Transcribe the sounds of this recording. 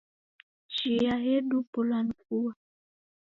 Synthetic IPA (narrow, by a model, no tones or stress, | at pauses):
t͡ʃijaɦedupɔlank̚uwa